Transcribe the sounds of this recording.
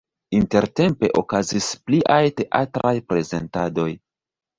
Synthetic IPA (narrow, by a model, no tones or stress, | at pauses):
inte̞ɾte̞mpe̞̰ʔokazispliʔajte̞ʔa̰tɾajpɾe̞ze̞̰ntado̞j